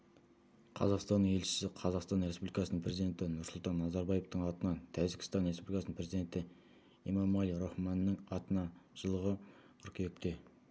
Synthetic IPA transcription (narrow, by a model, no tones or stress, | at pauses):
qʰɑ̰zɑqst̪ɑnːəŋe̞lʃɪ̥sɪqʰɑzɑqst̪ɑnɾe̞spublikɑsənəɴpʰɾe̞zid̪e̞nt̪ɪnʊɾsʊlˠt̪ɑnːɑzɑɾbɑjeft̪əɴɑt̪ənɑt̪ʰæʒɪkʲɪst̪ɑnɾespublikɑsənəmpɾe̞zid̪e̞nt̪ɪ | imɑmɑlˠijɾoχmɑnːəŋɑt̪ənɑʒ̥əlˠəʁə | qʰʏɾke̞kʲɪp̚t̪e̞